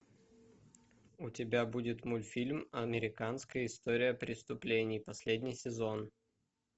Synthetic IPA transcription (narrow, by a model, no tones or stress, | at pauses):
ʊtʲɪbʲabudʲɪt̪molʲfʲilʲmɐmʲɪɾʲɪkanskəjəɪst̪oɾʲɪjəpɾʲɪst̪ʊplʲenʲɪjpɐsʲlʲedʲnʲɪjsʲɪzo̞n